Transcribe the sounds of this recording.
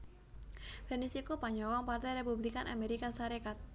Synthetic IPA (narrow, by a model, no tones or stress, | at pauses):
fɛrnisikupaɲd͡ʒɔwɔŋpart̪ajɾepublikanʔa̰meɾikasaɾekat̪̚